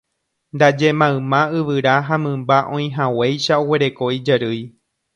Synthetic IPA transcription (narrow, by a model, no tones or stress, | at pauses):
nd̪ad͡ʒe̞mãɨ̃mãɨʋɨɾaɦamɨ̃mbaʔõ̞j̃ɦãwejʃaowe̞ɾe̞ko̞id͡ʒaɾɨj